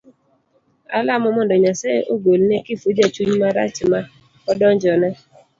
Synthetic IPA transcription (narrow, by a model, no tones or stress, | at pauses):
a̰lamɔmɔndɔɲaseʔoɡolinekifud͡ʒat͡ʃuɲimaɾa̰t͡ʃima | ɔdɔnd͡ʒɔnɛ